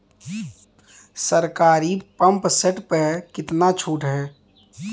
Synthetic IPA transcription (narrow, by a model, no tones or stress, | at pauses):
səɾkaːɾipə̃mpseʈpəkɪt̪nat͡ʃʰuːʈɦɛː